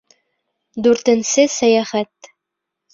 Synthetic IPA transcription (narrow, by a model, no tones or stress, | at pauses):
d̪ʉɾt̪ɘ̆nsɘsæjæχæt̪